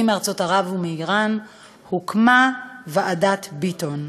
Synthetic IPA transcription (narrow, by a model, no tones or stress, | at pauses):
imeaʁt͡so̞taʁavumeiʁan | hukmaveʔadatbiton